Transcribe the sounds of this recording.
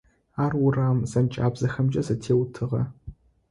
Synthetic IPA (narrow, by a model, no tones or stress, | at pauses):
aːrʊraːmzɐmt͡ʃʼaːbz̥ɐxɐmd͡ʒʼɐzɐtʰeːwtʰɨʁɐ̰